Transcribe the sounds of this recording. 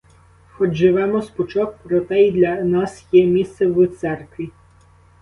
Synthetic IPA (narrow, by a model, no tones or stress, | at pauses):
xɔd͡ʒʒɪʋɛmɔspɔt͡ʃɔk̚pɾɔt̪ɛid̪lʲɐnɑsjɛmʲist̪sɛwʊt̪sɛrkʋʲi